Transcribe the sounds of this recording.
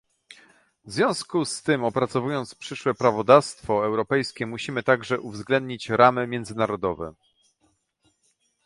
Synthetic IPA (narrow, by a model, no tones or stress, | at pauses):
vzvʲjɔ̃w̃skust̪ɘmɔpɾat̪sɔvujɔnt̪spʂɘʂwɛpɾavɔd̪afst̪fɔɛwɾɔpɛjskʲɛmuɕimɘt̪aɡʐɛʔuvzɡlɛnd̪ɲit͡ɕɾamɘmʲjɛnd̪zɘnaɾɔd̪ɔvɛ̰